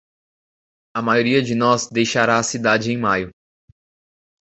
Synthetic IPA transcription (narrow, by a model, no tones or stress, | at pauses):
ɐmajoɾiɐd͡ʒɪnɔzd̪ejʃaɾaːsid̪ad͡ʒɪẽj̃majʊ